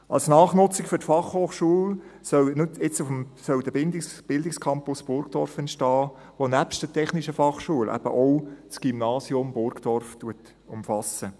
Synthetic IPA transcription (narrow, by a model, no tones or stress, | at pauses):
ɑ̰lsnɑːχnʊt͡sɪkfʏtfɑχhoːχʃuəlsœwnɪt͡sufmsœld̥əbɪnd̪ɪb̥ɪld̪ɪkskʰɑmpʊsb̥ʊɾkd̥ɔɾfɛntʃtɑː | ʋonæpʃtətʰɛχniʃəfɑχʃuəlʔæ̰b̥ə̰ʔɔʊsɡ̥ymnɑːsjʊmbʊɾɡd̥ɔɾftuət | ʊmfɑsə